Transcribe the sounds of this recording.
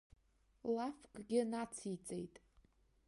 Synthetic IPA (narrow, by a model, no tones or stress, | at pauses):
lafkʼɡʲɪnat͡sʰit͡sʼejtʼ